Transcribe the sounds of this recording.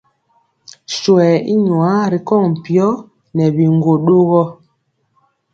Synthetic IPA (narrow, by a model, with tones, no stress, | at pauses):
swɛ˨i˦ɲwa˦ɾi˨kɔ˦˨ŋ̩˨pjɔ˦ | nɛ˨βi˨ŋɡo˨ɗo˦ɣɔ˦